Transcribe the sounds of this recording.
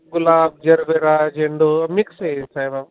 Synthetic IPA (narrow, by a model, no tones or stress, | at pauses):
ɡʊlaːb̚d͡ʒɐɾʋeɾaːd͡ʒẽːɳɖoɐmɪksesaːba